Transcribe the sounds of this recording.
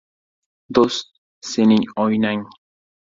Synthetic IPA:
d̪ost̪̚ | senɪɲɔjnaŋ

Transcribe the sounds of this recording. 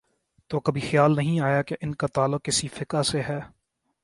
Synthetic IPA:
t̪oːkɐbʱixjaːlnɐɦĩaːjakeʔɪnkat̪aːlːʊq̚ːɪsifɪkaseɦɛː

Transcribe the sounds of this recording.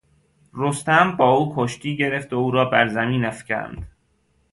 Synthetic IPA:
ɾost̪æmbɒːuːkʰoʃt̪ʰiːɟe̞ɾeft̪ouːɾɒːbæɾzæmiːnæfcæ̰nd̪̥

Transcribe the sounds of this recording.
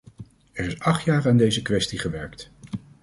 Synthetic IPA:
ɛɹɪsɑχtjaːɹaːndejzəkʋɛstiχəʋɛɹkt

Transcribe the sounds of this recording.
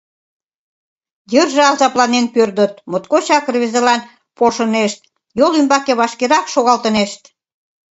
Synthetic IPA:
jərʒeɑlzɑplɑnenpørd̪ət̪mot̪kot͡ɕɑkərβezelɑn | poʃə̆neʃt̪̚ | jolymbɑkeβɑʃkeɾɑkʃoɣɑlt̪əneʃt̪

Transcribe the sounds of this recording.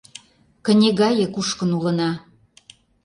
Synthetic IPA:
kə̆nʲeɣɑjĕkuʃkə̆nulə̆nɑ

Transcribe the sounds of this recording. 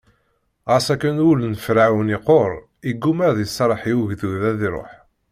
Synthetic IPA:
ʁasækːənulənfɾaʕwəniqoɾˤ | iɡːumæɾðjəsˤɑɾˤəħiwʝðuðæðiɾˤo̰ħ

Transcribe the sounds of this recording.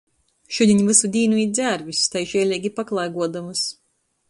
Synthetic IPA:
ʃud̪ʲiɲvɨsud̪ʲiːnuid̪zʲæːɾvʲist̪ajʒɛɛlʲɛːɡʲipaklˠajɡuɔd̪amɨs

